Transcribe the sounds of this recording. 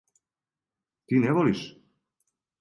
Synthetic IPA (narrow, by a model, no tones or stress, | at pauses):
t̪inɛβɔlis